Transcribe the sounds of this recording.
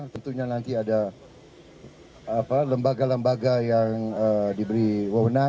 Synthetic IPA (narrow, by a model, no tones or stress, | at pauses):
t̪ənt̪uɲanant̪iada | paləmbaɡaləmbaɡajaŋədibəɾiwəwəna